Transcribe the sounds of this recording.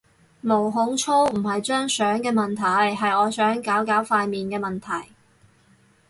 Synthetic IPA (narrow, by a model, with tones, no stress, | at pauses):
mo˨˩wɦʊ˨˧ŋt͡ʃʰo˥wm̩˨˩ɦɐ˨jt͡ʃœː˥ŋsœː˨˥ŋkɛː˧mɐ˨nt̪ʰɐ˨˩jɦɐ˨jɔː˨˧sœː˨˥ŋkaː˨˥wkaː˨˥wfaː˧jmiː˨nkɛː˧mɐ˨nt̪ʰɐ˨˩j